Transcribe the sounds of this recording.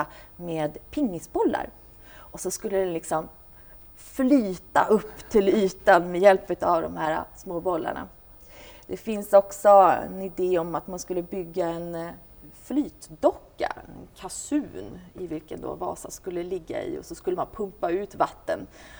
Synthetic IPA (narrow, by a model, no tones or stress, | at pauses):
meːd̪pʰɪŋːɪsbɔlːa̰ɾ | ʔɔsɔskɵlːəd̪ɛnlɪksɔm | flyːt̪aʔɵpːt̪ʰɪlyːt̪anmɛjɛlpʉt̪avd̪ɔmhæːɾa̰smoːbɔlːa̰ɳa̰ | d̪̥ɛfɪnsɔksɔɛ̰nɪd̪eːɔmat̪manskɵlːəbʏɡːaɛn | flyːt̪d̪ɔkːa̰ɛ̰nkʰasʉ̟ːnɪvɪlkənd̪o̰ːvɑ̰ːsaskɵlːəlɪɡːa̰ɪ̰ɔ̰sɔskɵlːəmanpʰɵmpaʉ̟ːt̪vat̪ːən